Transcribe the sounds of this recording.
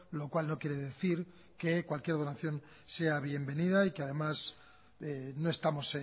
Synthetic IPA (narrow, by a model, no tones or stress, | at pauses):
lo̞kwalno̞kje̞ɾe̞ðe̞θiɾ | ke̞kwalkje̞ɾðo̞naθjo̞n | se̞aβje̞mbe̞niðaikeaðe̞mas | eno̞e̞st̪amo̞se